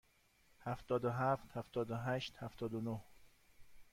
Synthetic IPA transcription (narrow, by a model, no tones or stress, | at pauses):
hæft̪ɒːd̪oɦæft̪hæft̪ɒːd̪oɦæːʃt̪hæft̪ɒːd̪onoh